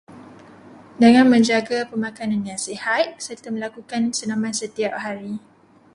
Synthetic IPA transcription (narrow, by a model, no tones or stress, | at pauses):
dəŋãnmə̃ɲd͡ʒaɡapəmãkanãnjaŋsihat̪̚sərt̪amə̃lakukansənamãnsət̪iap̚haɾi